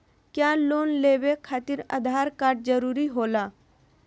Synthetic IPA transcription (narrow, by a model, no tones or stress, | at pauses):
kjaːloːnleːʋekʰaːt̪ɪɾə̰d̪ʱaːɾkaːɾʈ̚d͡ʒəɾuːɾiɦoːlaː